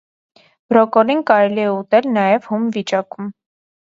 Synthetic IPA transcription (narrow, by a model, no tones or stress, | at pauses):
ɾɔkɔlinkɑɾɛliɛut̪ɛlnɑjɛvhumvit͡ʃɑkum